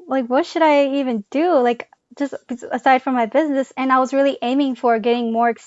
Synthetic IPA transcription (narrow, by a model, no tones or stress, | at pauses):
laɪkwʌtʃɨɾaɪivɨ̃nd̥ɨlaɪk | d̥ʒ̥ʌstəsaɪd̥fɹʌ̃mːaɪbɪznɨsɨ̃naɪwʌzɹɪlˠiʔẽɪ̃mɪ̃ŋfə˞ɡɛɾɪ̃ŋmɔɹɨks